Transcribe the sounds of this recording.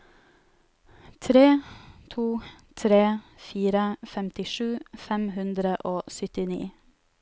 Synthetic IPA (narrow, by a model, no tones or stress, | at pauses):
t̪ʰɾeːt̪ʰuː | t̪ʰɾeːfiːɾəfɛmt̪ɪʃʉːfɛmhʉnd̪ɾəʔoːsʏt̪ɪnḭː